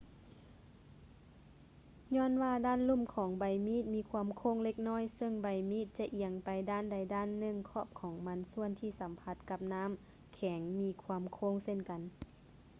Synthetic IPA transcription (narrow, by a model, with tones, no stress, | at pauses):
ɲɔː˧˥˨nwaː˧daː˧˥˨nlu˧˥˨mkʰɔː˩˦ŋba˨˧˩jmiː˧˥˨t̪̚miː˧˥kʰwaː˧˨mkʰoː˧˥˨ŋle˧k̚nɔː˧˥˨jsɤ˧˨ŋba˨˧˩jmiː˧˩˨t̪̚t͡ɕa˧ʔi˨˧˩əŋpa˨jdaː˧˥˨nda˧˩jdaː˧˥˨nːɯ˧˩˨ŋkʰɔː˧˥˨p̚kʰɔː˩˦ŋma˧˥nsu˧˥ənt̪ʰiː˧˩sa˨˦mpʰa˧˥t̪̚ka˧p̚naː˧˥˨m | kʰɛː˩˦ŋmiː˧˥kʰwaː˧mkʰoː˧˥˨ŋse˧˥˨nka˨n